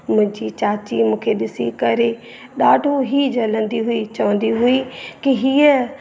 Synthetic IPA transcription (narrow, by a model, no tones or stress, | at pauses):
mʊ̃ɪ̃d͡ʒit͡ʃaːt͡ʃimʊ̃ːkʰeɗɪsikɐɾe | ɗaːɖʱuɦid͡ʒɐlə̃nd̪iɦʊit͡ʃɐʋə̃nd̪iɦʊikiɦiə